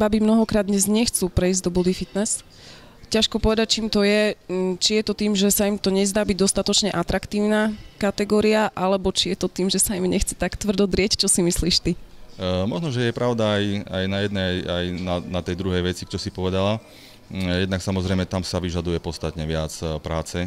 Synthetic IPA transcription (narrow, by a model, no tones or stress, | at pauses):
babimnɔɦɔkɾaːd̪ɲɛzɲɛxt͡suːpɾɛizɟd̪ɔbɔd̪ifit̪nɛs | caʃkɔpɔʋɛd̪ac̚t͡ʃiːmt̪ɔjɛt͡ʃijɛt̪ɔt̪iːmʒɛsaimt̪ɔɲɛzd̪aːbiɟ̚d̪ɔst̪at̪ɔt͡ʃɲɛʔat̪ɾakt̪iːʊnakat̪ɛɡɔːɾiaʔalɛbɔt͡ʃijɛt̪ɔt̪iːmʒɛsaimɲɛxt͡sɛ̥t̪akt̪ʋr̩d̪ɔd̪ɾɪɛct͡ʃɔsimisliːʃt̪i | mɔʒnɔʒɛjɛpɾʔaʊd̪aːjajnajɛd̪nɛjajnanat̪ɛjd̪ɾuɦɛjʋɛt͡sit͡ʃɔsipɔʋɛd̪ala | jɛd̪naksamɔzɾɛjmɛt̪amsaʋiʒad̪ujɛpɔst̪at̪ɲɛʋɪat͡spɾaːt͡sɛ